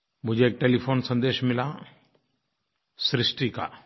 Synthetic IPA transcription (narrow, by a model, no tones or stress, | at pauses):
mʊd͡ʒʱeeːk̚ʈeːlipʰoːnsə̃nd̪eːʃmɪla | sɾɪsʈika̰